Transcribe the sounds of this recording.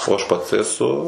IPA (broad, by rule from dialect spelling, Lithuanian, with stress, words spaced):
oː ɐʃ ˈpɐts ɛˈsʊ